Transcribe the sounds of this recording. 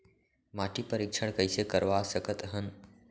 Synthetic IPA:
maːʈʰipəɾɪkʃəɽ̃kəɪsekəɾʋasəkət̪ɦən

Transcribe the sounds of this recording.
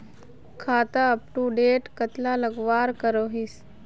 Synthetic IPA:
kʰaːt̪aəp̚ʈuɖeːʈkət̪laləɡʋaɾkəɾoɦis

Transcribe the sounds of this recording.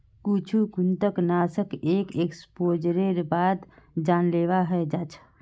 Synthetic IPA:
kut͡ʃʰukunt̪əknasəkekekspod͡ʒɾeɾbad̪d͡ʒanleʋaɦəed͡ʒat͡ʃʰə

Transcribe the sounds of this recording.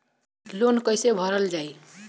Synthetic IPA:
lonkʌɪsebʱʌɾəld͡ʒai

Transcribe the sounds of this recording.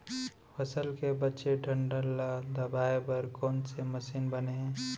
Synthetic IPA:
pʰəsəlkebətːt͡ʃeʈʰə̃ɳɖəlːad̪əbaːebəɾkɔːnseməsiːnbəneɦ

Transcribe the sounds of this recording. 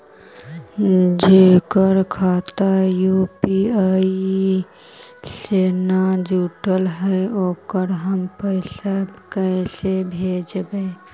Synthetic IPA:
d͡ʒekəɾkʰaːt̪ajupia | seːnad͡ʒuʈəlɦəoːkəɾɦəmpəɪsakəɪsebʱed͡ʒbe

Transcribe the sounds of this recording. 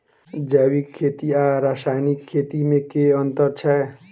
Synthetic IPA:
d͡ʒawikʰːet̪iaɾasajnikʰːet̪imekeənt̪əɾt͡ʃʰɛ

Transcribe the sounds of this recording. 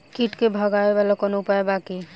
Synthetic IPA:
kiʈkebʱɔɡaebalɔkɔnoupaebaki

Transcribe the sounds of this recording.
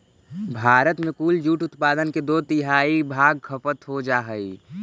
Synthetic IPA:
bʱaːɾət̪mẽkuːld͡ʒuːʈʊt̪paːd̪ənked̪ot̪ɪɦaːibʱaːɡ̚kʰəpət̪ɦod͡ʒaːɦəi

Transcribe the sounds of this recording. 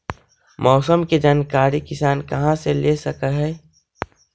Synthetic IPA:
mʔɔːsəmked͡ʒaːnkaːɾikɪsaːnkɐɦãselesəkəɦɛː

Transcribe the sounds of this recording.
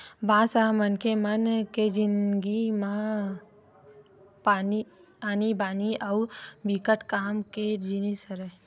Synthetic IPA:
bʱãːsaːmənkemɐnked͡ʒinɡimã | paːni | aːnibaːniʔawbikəʈkaːmked͡ʒinisəɾe

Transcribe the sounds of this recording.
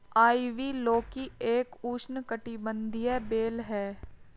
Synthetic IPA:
aːiʋiːloːkieːkuːʃnkəʈibə̃nd̪ʱijɛbeːlɦɛː

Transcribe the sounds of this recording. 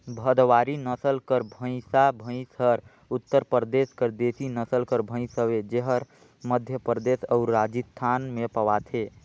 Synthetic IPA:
bʱəd̪waɾinəsəlkəɾbʱə̃ɪ̃sabʱə̃ɪ̃səɾ | ut̪ːəɾpɾd̪eskəɾd̪esinəsəlkəɾbʱə̃ɪ̃səbed͡ʒeɦəɾ | məd̪ʱjəpɾd̪esəʊɾɾad͡ʒist̪ʰːanmepəʋat̪ʰe

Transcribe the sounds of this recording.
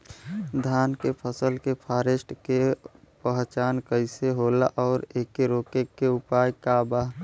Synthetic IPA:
d̪ʱaːnkepʰəsəlkepʰaːɾeːsʈkepəɦt͡ʃaːnkəɪseɦoːla̰ʔɔːɾeːkeɾoːkekːeʊpaːjkaːbaːɦ

